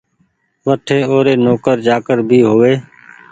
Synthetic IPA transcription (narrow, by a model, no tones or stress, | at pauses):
ʋəʈʰeːoːɾeːnoːkəɾd͡ʒaːkəɾbʱiːɦoːʋeː